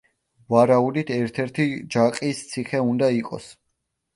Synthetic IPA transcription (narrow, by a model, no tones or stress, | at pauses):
vaɾaud̪it̪ʰɛɾt̪ʰɛɾt̪ʰid͡ʒaqʼist̪sʰiχɛund̪aiqʼɔ̰s